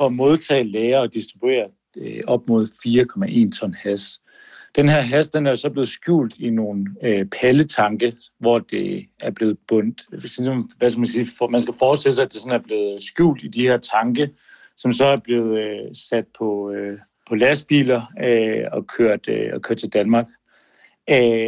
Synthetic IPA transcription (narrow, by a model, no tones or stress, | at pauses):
fɒ̽mo̝ð̞ˠt͡sʰɛ̰ːlɛːɐɒ̽d̥isd̥ʁib̥ue̝̰ːɐ | øɒ̽b̥mo̝ð̞̰ˠfiːɐkʰɒ̽mæʔe̝̰ːnt͡sʰɒ̽nhæs | d̥enɦeɐ̰ɦæsd̥enæɐjo̝sɒ̽b̥le̝ːð̞̩ˠsɡ̥jṵːld̥ino̝ːn̩øpʰælət͡sʰɑ̈ŋɡ̥ə | ʋɒd̥e̝æɐb̥le̝ːð̞̩ˠb̥ɔ̽n̰d̥sʋæskɡ̥æmænsiːfmænsɡ̥æfɒːsd̥e̝ls̬ɑ̈æd̥e̝sɒ̽næɐb̥le̝ːð̞̩ˠsɡ̥jṵːld̥id̥iheɐt͡sʰɑ̈ŋɡ̥ə | sɒ̽msɒ̽æɐb̥le̝ð̞̩ˠsæd̥̚pʰɒ̽ø | pʰɒ̽læsb̥ḭːlɐøɒ̽kʰøɐ̰d̥ɒkʰøɐd̥̚t͡sʰe̝ld̥ænmɑ̈ːɡ̥